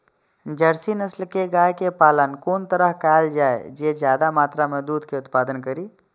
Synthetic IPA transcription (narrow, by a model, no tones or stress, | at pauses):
d͡ʒəɾsinəslkeɡaːjkepaːlənkoːnt̪əɾəɦkaːld͡ʒaːḛd͡ʒed͡ʒjaːd̪amaːt̪ɾamẽd̪uːd̪ʱkeʊt̪paːd̪ənkəɾiː